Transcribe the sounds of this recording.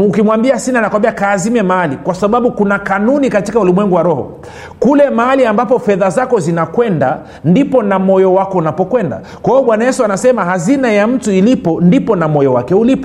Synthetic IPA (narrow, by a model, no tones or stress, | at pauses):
ukimwambiasinanakwambiakaːzimɛmaalikwasaɓaɓukunakanunikatikaulimwɛŋɡuwaɾɔhɔ̰ | kulɛmaaliambapɔfɛðazakɔzinakwɛnda | ndipɔnamɔjɔwakɔunapɔkwɛnda̰ | kwaɔɓwanajɛsuanasɛmahazinajam̩tuilipɔndipɔnamɔjɔwakɛulipɔ